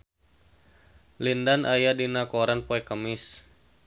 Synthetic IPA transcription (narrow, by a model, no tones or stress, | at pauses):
lindanʔajadinakoɾanpoɛkəmɪs